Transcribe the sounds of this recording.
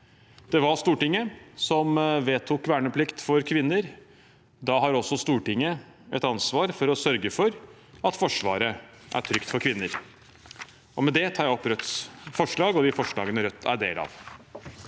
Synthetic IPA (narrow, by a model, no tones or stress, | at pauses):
d̪̥ɛʋɑɾst̪uːʈɪŋːəsɔmʋeːt̪ʰʊkʋæːɳəpʰlɪkt̪fɔɾkʰʋɪnːəɾ | d̪ɑɦɑɾɔsːɔst̪uːʈɪŋːə | ɛ̰t̪ɑnsʋɑːɾfɔɾɔsœɾɡəfɔɾ | ɑt̪fɔʂʋɑ̰ːɾə | ʔæ̰ʈʰɾʏkt̪fɔɾkʰʋɪnːəɾ | ʔɔmɛd̪ɛt̪ʰɑːɾjæɔpɾœt̪sfɔʂɭɑːɡɔd̪ɪfɔʂɭɑ̰ːɡənəɾœt̪ʰːæ̰ɖḛːlɑ̰ːʋ